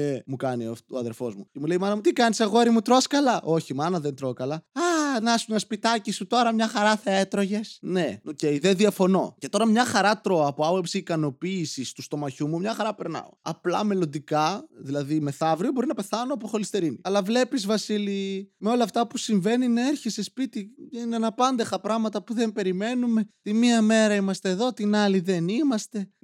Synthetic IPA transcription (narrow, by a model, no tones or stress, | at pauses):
emukɐniooɐðe̞lfo̞zmucemule̞imɐnɐmut̪ikɐniseɣoeɾimut̪ɾo̞skɐlɐʔo̞çimɐnɐðent̪ɾo̞kɐlɐɐnɐsunɐspit̪ɐcisut̪o̞ɾɐmɲɐxɐɾɐθeet̪ɾo̞ʝe̞sne̞oce̞iðenðiɐfo̞no̞ce̞t̪o̞ɾɐmɲɐxɐɾɐt̪ɾo̞ɐpoɐpopsiːkɐno̞piːsist̪ust̪o̞mɐçumumɲɐxɐɾɐpe̞ɾnɐ̰o̞̰ɐ̰plɐ̰me̞lo̞nd̪ikɐðilɐðime̞θɐvɾiobo̞ɾinɐpe̞θɐno̞ɐp̬oxo̞list̪e̞ɾiniɐlɐvle̞pizvɐsilimeo̞lɐːft̪ɐpusiɱve̞nineeɾçesespit̪iinenɐpɐnd̪exɐpɾɐɣmɐt̪ɐpuðe̞mpe̞ɾime̞nume̞t̪imiɐme̞ɾɐimɐst̪e̞ːðo̞t̪inɐliðe̞nimɐst̪e̞